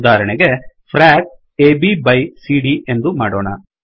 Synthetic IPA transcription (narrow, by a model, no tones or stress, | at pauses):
d̪aːɾɐɳɛɡe̞pʰɾaːk̚ | eːbibɐjsiːɖiʔend̪umaːɽɔːɳɐ̰